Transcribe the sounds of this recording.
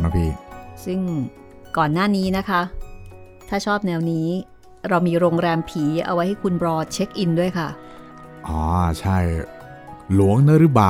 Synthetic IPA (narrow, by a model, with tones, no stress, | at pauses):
na˦˥pʰiː˧˩sɯ˥˩ŋ | kɔː˨˩nːaː˥˩niː˦˥na˦˥kʰa˦˥ | t̪ʰaː˥˩t͡ɕʰɔː˥˩p̚nɛː˧wniː˦˥ | ɾa˧wmiː˧ɾoː˧ŋɾɛː˧mpʰiː˩˦ʔa̰˧wa˦˥jha˥˩jkʰu˧nbɾɔː˧t͡ɕʰe˦˥k̚ʔi˧ndu˥˩əjkʰa˥˩ | ʔɔː˩t͡ɕʰa˥˩j | lu˩˦əŋnɯ˦˥ɾɯ˦˥baː˨˩